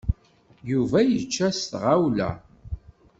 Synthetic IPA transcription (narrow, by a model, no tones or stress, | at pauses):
juvæjət͡ʃːæst̪ʁawlæ̰